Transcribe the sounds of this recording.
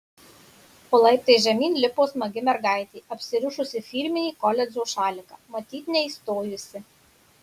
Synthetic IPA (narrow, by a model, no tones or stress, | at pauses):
poːlˠɐɪp̚t̪ɐʒʲɛmʲiːnlʲɪpoːsmɐɡʲɪmʲɛɾɡɑˑɪt̪ʲeːʔɐpʲsʲɪɾʊʃʊsʲɪfʲiːɾʲmʲɪnʲiːkɔlʲɛd͡ʒoːʃɑːlʲɪkɑːmɐt̪ʲiːt̪nʲɛiˑst̪oːjʊsʲɪ